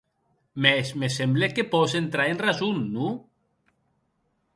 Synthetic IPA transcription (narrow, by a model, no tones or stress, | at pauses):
mesmesemblekepɔsent̪ɾaenrazunːu